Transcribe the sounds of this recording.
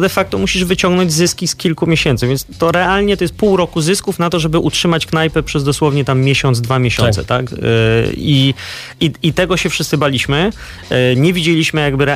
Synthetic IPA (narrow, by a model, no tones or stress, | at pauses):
d̪ɛfak̚t̪ɔmuɕiʐvɘt͡ɕɔ̃ŋɡnɔɲd͡ʑzɘskʲiskʲilkumʲjeɕɛnt̪sɨvʲjɛnst̪ɔɾɛalɲɛt̪ɔjɛst̪̚puwɾɔkuzɘskufnat̪ɔʐɛbɘʔutʂɘmat͡ɕknajpɛpʂɛzd̪ɔswɔvɲɛt̪amːʲjɛɕɔnd̪zd̪vamʲjeɕɔ̰̃sɛ̰t̪ak | i | iit̪ɛɡɔɕɛfʂssɘbalʲiɕmɘ | ɲɛvʲid͡ʑelʲiɕmɘjaɡbɘɾɛ